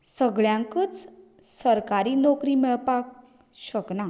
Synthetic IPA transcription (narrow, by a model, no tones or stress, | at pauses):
səɡɭjãŋkət͡s | səɾkaɾiːnokɾimiɭpak̚ | ɕəkna